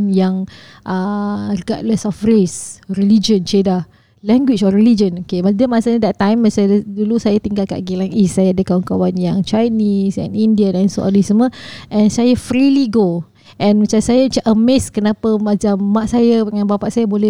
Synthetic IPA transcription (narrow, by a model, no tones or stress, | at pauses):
njaŋ | ʔərəɡaʔləsɔfresrəlid͡ʒənt͡ʃeda | lɛ̃ŋɡwit͡ʃɔilid͡ʒənokemadəmasaɲadɛt̪ːãjmːəsadulusajat̪iŋɡalka̰ʔɡilaŋisːajaadəkawankawanjaŋt͡ʃajnisɛ̰nindiaɛnso̰ʔa̰nisəməʔɛ̃nsajəfɾiliɡo | ʔɛ̃nmat͡ʃamsajat͡ʃaʔəmɛskənapəmat͡ʃamːaʔsajəəŋãnbapaʔsajəbolɛ